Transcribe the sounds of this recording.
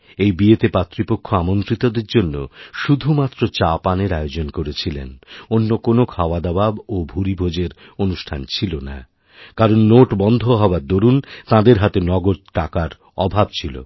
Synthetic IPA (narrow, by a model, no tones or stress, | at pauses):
ejbiet̪epat̪ːɾipokʰːoamont̪ɾit̪od̪eɾd͡ʑonːo̰ʃud̪ʱumat̪ːɾot͡ɕapaneɾajod͡ʑonkoɾet͡ɕʰilḛnonːokonokʰaoad̪ababobʱuɾibʱod͡ʑeɾ | onuʃʈʰant͡ɕʰilona̰ | kaɾonːoʈbɔnd̪ʱoɦɔoad̪oɾunt̪ãd̪eɾɦat̪enɔɡod̪̚ʈakaɾ | ɔbʱabt͡ɕʰilo̰